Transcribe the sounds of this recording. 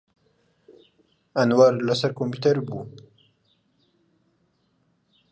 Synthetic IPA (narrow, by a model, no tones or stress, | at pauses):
anwaɾlasaɾkomput̪aɾbu